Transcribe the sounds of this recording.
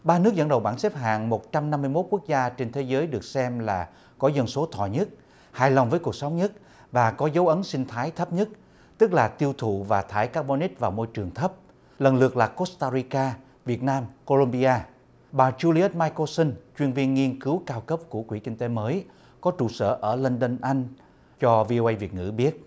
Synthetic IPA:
ɓaː˧nɨ˦˥k̚zə˧˩nɗə˨˩wɓaː˧˩nsɛ˦˥p̚ɦa̰ː˧˨ŋmo˨˩t̚t͡ɕa˧mna˧mːɨ˧jmo˦˥t̚ku˦˥k̚zaː˧t͡ɕe˧nt̪ʰe˨˦zəː˨˦jɗɨ˨˩ək̚sɛ˧mlaː˨˩ | kɔ˨˦zə˧˩nso˨˦t̪ʰwɔ̰˧˨ɲə˦˥t̚ | haː˧˩jla˨˩wŋ͡mvəː˨˦jku˨˩ək̚sa˨˦wŋ͡mɲə˦˥t̚ | vaː˨˩kɔ˨˦zə˨˦wʔə˨˦nsï˧ŋ̟t̪ʰaː˨˦jt̪ʰə˦˥p̚ɲə˦˥t̚ | t̪ɨ˦˥k̚laː˨˩t̪i˧əwt̪ʰṵ˧˨vaː˨˩t̪ʰaː˨˦jkaː˦˥k̚ɓo˧ni˦˥t̚vaː˨˩wmo˧jt͡ɕɨ˨˩əŋt̪ʰə˦˥p̚ | lə˨˩nlɨ˨˩ək̚laː˨˩ko˦˥st̪aː˧ɾi˧kaː˧ | vi˨˩ət̚naː˧mko˧lo˧mɓi˧aː˧ | ɓaː˨˩t͡ɕu˧li˧ə˦˥t̚maː˧jko˧sə˧ŋt͡ɕwi˧ənvi˧ənŋi˧ənkɨ˨˦wkaː˧wkə˦˥p̚ku˧˩əkwi˧˩kï˧ŋt̪e˨˦məː˨˦j | kɔ˨˦t͡ɕṵ˧˩sə̰ː˧˩ʔəː˧˩lə˧nɗə˧nʔa˧jŋ̟ | t͡ɕɔ˧vi˧o˧ʔə˧jvi˨˩ət̚ŋɨ̰˧˩ɓi˦˥ət̚

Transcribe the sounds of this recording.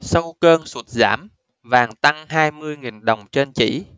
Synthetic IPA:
sə˧wkəː˧nswə˨˦˩t̚za̰ː˧˥m | vaː˨˩ŋt̪a˧ŋɦaː˧jmɨ˧əjŋi˨˩nɗə˨˩wŋ͡mt͡ɕe˧nt͡ɕḭ˧˥

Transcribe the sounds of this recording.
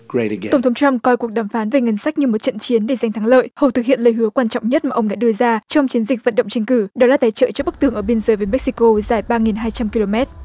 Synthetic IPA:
ɡ̥ɹeɾɨɡɛtə˧˩ŋ͡mt̪ʰŋ͡mt͡ɕa˧mkɔ˧jku˨˩ək̚ɗaː˧˩mfaː˨˦nve˨˩ŋə˧˩nsa˦˥k̚ɲɨ˧mo˨˩t̚t͡ɕə̰˧˨nt͡ɕi˨˦nɗe˧˩za˨˧jŋ̟t̪ʰaː˨˦ŋlə̰ː˧˨jhə˨˩wt̪ɨ˨˩k̚hḭ˧˨ənləː˨˩jɦɨ˨˦əkwaː˧nt͡ɕɔ̰˧˨wŋ͡mɲə˦˥t̚maː˨˩ʔə˧wŋ͡mɗa̰ː˧˥ɗɨ˧əzaː˧t͡ɕɔ˧wŋ͡mt͡ɕi˨˦ənzi˨˩k̟̚və̰˧nɗə̰˧˨ŋ͡mt͡ɕɛ˧ŋ̟kɨ˧˩ɗɔ˨˦laː˨˩t̪aː˨˦jt͡ɕə̰ː˧˨t͡ɕɔ˧˩ɓɨ˦˥k̚t̪ɨ˨˩əŋʔəː˧˩ɓi˧ənzəː˨˦jvəː˨˦jmɛ˦˥k̚si˧ko˧zaː˨˩jɓaː˧ŋi˨˩nɦaː˧jt͡ɕa˧mki˧lo˧mɛ˦˥t̚

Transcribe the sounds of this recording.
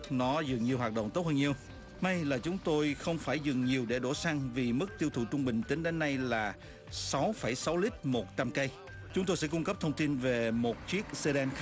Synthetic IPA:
nɔ˨˦zɨ˨˩ŋɲi˨˩əwɦaː˨˩ɗə̰˧˨wŋ͡mt̪o˦˥t̚həː˧ŋɲi˧əw | ma˧jlaː˨˩t͡ɕʊ˨˦ŋ͡mt̪o˧jxə˧wŋ͡mfaː˧˩jzɨ˨˩ŋɲi˨˩əwɗe˧˩ɗo˧˩sa˧ŋvi˨˩mɨ˦˥k̚t̪i˧əwt̪ʰṵ˧˨˩t͡ɕʊ˧ŋ͡mɓï˨˩ŋ̟t͡ɕ̪i˨˦ŋɗe˨˦nːa˧jlaː˨˩ | sa˨˦wfə˧˩jsa˨˦wli˦˥k̚mo˨˩t̚t͡ɕa˧mkə˧j | t͡ɕʊ˨˦ŋ͡mt̪o˧jsɛ̰˧˥kʊ˧ŋ͡mkə˦˥p̚t̪ʰə˧ŋ͡mt̪i˧nve˨˩mo˨˩t̚t͡ɕwi˦˥ək̚se˧ɗɛ˧nx

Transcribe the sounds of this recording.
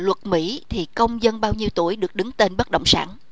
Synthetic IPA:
lwə˨˩t̚mḭ˧˥t̪ʰi˨˩kə˧wŋ͡mzə˧nɓaː˧wɲi˧əwt̪u˧˩əjɗɨ˨˩ək̚ɗɨ˨˦ŋt̪e˧nɓə˦˥t̚ɗə̰˧˨wŋ͡msa̰ː˧˩n

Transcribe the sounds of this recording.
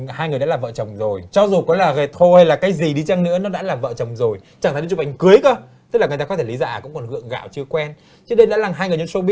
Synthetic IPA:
haː˧jŋ˨˩jɗa̰ː˧˥laː˨˩vəː˧˨t͡ɕə˨˩wŋ͡mzo˨˩jt͡ɕɔ˧zu˨˩kɔ˨˦laː˨˩ɣe˨˩t̪ʰo˧ha˧jlaː˨˩kaː˨˦jzi˨˩ɗi˧t͡ɕa˧ŋnɨ̰˧˥ənɔ˨˦ɗa̰ː˧˥laː˨˩mvə̰ː˧˨t͡ɕə˨˩wŋ͡mzo˨˩jt͡ɕa˧˩t̪ʰːt͡ɕu˨˩ʔa˨˩ŋ̟kɨ˨˦əjkəː˧˦tt̪k̚laː˨˩˨taː˧˨˦t̪ʰe˧˩li˨˦zaː˧˨˩kʊ̰˧˥ŋ͡mkɔ˨˩nhɨ̰˧˨əŋɣa̰ː˧˨wt͡ɕɨ˧əkwɛ˧n | t͡ɕnɗe˧jɗa̰ː˧˥laː˨˩ɦaː˧jŋɨ˨˩əjɲo˧˦nso˧ɓi˦˥

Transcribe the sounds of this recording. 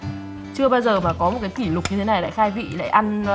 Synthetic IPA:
t͡ɕɨ˧əɓaː˧jzəː˨˩maː˨˩kɔ˨˦mo˨˩t̚kaː˨˦ki˧˩lʊ˨˩k͡p̚ɲɨ˧t̪ʰe˨˦na˨˩jla̰ː˧˨jxaː˧jvḭ˧˨la̰ː˧˨jʔa˧n

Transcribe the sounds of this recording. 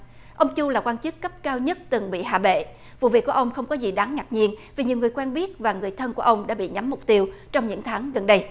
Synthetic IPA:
ʔə˧wŋ͡mt͡ɕu˧laː˨˩kwaː˧nt͡ɕɨ˦˥kːə˦˥p̚kaː˧wɲə˦˥t̚t̪ɨ˨˩ŋɓḭ˧˨ɦa̰ː˧˩ɓḛ˧˨ | vṵ˧˨vḭ˨əku˧˩ʔə˧wŋ͡mxə˧wŋ͡mkɔ˨˦zi˨˩ɗaː˨˦ŋːa˨˩t̚ɲi˧ənvi˨˩ɲi˨˩əwŋɨ˨˩əjkwɛː˧nɓi˦˥ət̚vaː˨˩ŋɨ˨˩əjt̪ʰə˧nku˧˩əʔə˧wŋ͡mɗa̰ː˧˥ɓḭ˧˨ɲa˨˦mːʊ˨˩k͡p̚t̪i˧əwt͡ɕɔ˧wŋ͡mɲɨ̰˧˥ŋt̪ʰaː˨˦ŋɣə˨˩nɗə˧j

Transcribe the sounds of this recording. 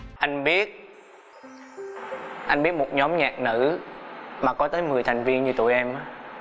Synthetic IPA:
ʔa˧jŋ̟ɓi˦˥ət̚ | ʔa˧jŋ̟ɓi˦˥ət̚mo˨˩t̚ɲɔ˨˦mɲaː˨˩k̚nɨ̰˧˥ | maː˨˩kɔ˨˦t̪əː˨˦jmɨ˨˩əjt̪ʰa˨˩jŋ̟vi˧ənɲɨ˧t̪ṵ˧˩˨jʔɛ˧mʔ

